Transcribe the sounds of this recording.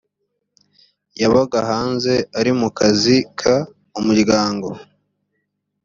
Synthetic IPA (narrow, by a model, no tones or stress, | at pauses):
jaβaɡaɦaːnze̞aɾimukazikʰa | umuɾɡaːŋɡo